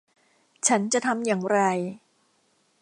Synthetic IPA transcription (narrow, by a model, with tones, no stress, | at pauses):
t͡ɕʰa˦˥nt͡ɕa˨t̪ʰa˧mjaː˨˩ŋɾa˧j